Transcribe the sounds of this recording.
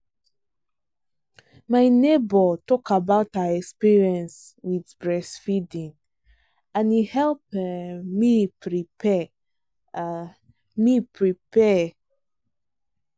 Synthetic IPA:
maɪnebɔtɔkʰabaʊthaɛkspiɹiɛ̃nswidbɹɛsfidĩŋ | ãnihɛlpmipɹi | mipɹipɛ

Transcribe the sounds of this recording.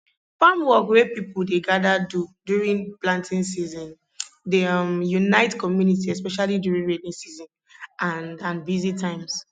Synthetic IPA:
pamwɔkwepipuldeɡadadudjuɹĩnplãntʰĩnsizɔ̃n | demjunaɪtkɔmjunit̬iɛspɛʃalidjuɹĩnɹedĩŋsizɔ̃n | ʔãnãnbizitãɪ̃ms

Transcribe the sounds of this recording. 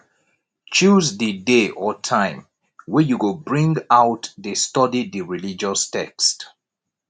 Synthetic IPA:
t͡ʃuzðədeʔɔtʰãɪ̃m | wɛjuwɪlbɹĩŋɡaʊtðəstɔdidəɹilid͡ʒɔstʰɛ̰kst

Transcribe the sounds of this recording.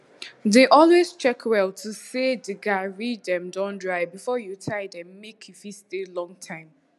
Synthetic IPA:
deʔɔlwez̥t͡ʃɛkʰwɛlˠtʰusedəɡaɹiddɛ̃mdãʊ̃ndɹaɪbifɔjutʰaɪdɛ̃mːekʰifistelɔ̃ŋtʰãɪ̃m

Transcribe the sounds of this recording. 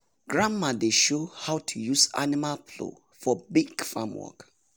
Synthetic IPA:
ɡ̥ɹãmːadeʃohawtʰujusa̰nimalpʰlo̰ | fɔbiɡfamwɔ̰k

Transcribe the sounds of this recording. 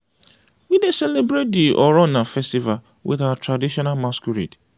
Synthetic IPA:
widesɛlebɹet̚diʔɔɹɔnafɛstival | wḭθawatɹadiʃɔnalmaskuɹḭd

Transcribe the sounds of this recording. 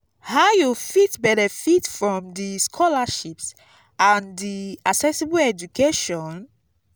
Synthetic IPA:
hajufitbɛɾɛfitfɹɔ̃mdiskʰɔlaʃips | ãndiaksɛsibuɛd͡ʒukeʃɔ̃n

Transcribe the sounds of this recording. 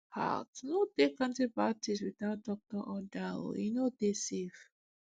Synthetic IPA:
ha̰tnodekãntibatiswiθaʊt̚dɔk̚tɔʔɔda̰jinodesef

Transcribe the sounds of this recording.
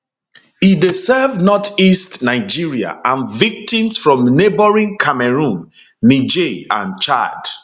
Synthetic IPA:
idisɛvnɔtistnaɪd͡ʒiɹia̰ʔãnvik̚tĩmsfɹɔ̃mnebəɹĩnkʰamɛɹũnː | id͡ʒeã̰nt͡ʃa̰d

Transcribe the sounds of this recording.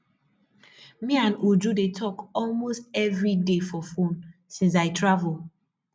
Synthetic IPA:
miãnud͡ʒudetʰɔkɔlmostɛvɹidefɔfõnsĩns̬aɪtɹavul

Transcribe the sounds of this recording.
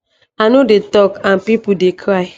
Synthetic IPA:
anodetɔkãnpipudekʰɾaɪ

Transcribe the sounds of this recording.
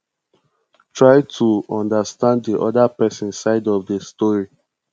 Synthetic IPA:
tʰɹaɪtʰuɔ̃ndastãnddiʔɔ̰dapɛsɔ̃nsaɪdɔvdəstɔɹi

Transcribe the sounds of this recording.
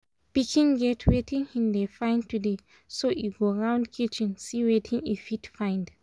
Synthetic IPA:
pikʰĩnɡɛtʰwetʰĩnhĩmdefãɪ̃ntude | soʔiɡoɹãʊ̃ndkʰit͡ʃĩnsiwetʰĩnifitfãɪ̃nd

